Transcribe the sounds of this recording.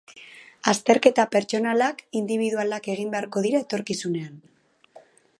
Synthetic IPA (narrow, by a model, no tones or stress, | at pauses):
ast̪e̞ɾke̞t̪ape̞ɾt͡ʃo̞nalakind̪iβ̞iðualake̞ɣ̞imbe̞aɾko̞ðiɾae̞t̪o̞ɾkisune̞an